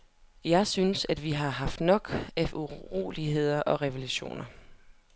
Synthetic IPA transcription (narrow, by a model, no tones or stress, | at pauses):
jɑ̈ɪsynsæd̥ʋiɦɑ̈ɦɑ̈fd̥nɒ̽ɡ̥æuʁo̝̰ːliɦe̝ð̞̰ˠɐʔɒ̽ʁɛʋeluɕo̝̰ːnɐ